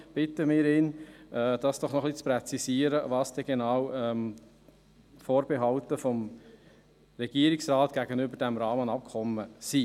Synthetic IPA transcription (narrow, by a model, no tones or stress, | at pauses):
b̥ɪt̪əmɪːɾiːnʔɛːd̪̥ɑsd̥ɔχnɔχlit͡spɾɛt͡sisiːəɾəʋɑːsd̥ɛɡ̥enɑːwɛm | foːɾb̥eɦɑltəfɔm | ɾɛɡiːəɾiksɾɑːt̪ɡ̥æɡənʏbəɾd̥ɛmɾɑːmənɑp̚kʰχɔmːəsi